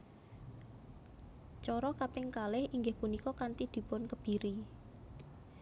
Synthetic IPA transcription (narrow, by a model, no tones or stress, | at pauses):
t͡ʃɔɾɔkapɪŋkalɪhʔiŋɡɪhpunikɔkant̪id̪̥i̤pʊnkəb̥i̤ɾi